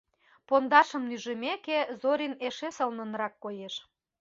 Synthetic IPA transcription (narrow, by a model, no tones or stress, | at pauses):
pond̪ɑʃə̆mnyʒə̆mekezoɾʲineʃesəlnə̆nɾɑkːojeʃ